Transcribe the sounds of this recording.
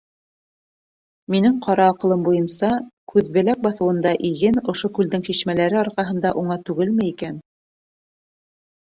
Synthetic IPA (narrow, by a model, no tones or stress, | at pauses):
minɘɴqʰɑɾɑːqɤ̆lˠɤmbujɤnsɑkʉðbɘ̆læk̚bɑθɤ̆wɤ̆nd̪ɑʔiɡɘnŏʃokʉld̪ɘŋʃiʃmælæɾɘɑɾqɑɦɤ̆nd̪ɑʔuɴɑt̪ʉɡɘlmɘ̆ikæn